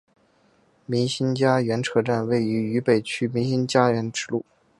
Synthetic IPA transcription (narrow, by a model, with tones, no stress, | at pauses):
mi˧˥ŋɕi˥nt͡ɕja˥ɥɛ˧˥nʈ͡ʂʰɤ˥ʈ͡ʂa˥˧nwe˥˩ɪy˧˥y˧˥pe˨˩ɪt͡ɕʰy˥mi˧˥ŋɕi˥nt͡ɕja˥ɥɛ˧˥nʈ͡ʂɻ̩˨˩lṵ˥˩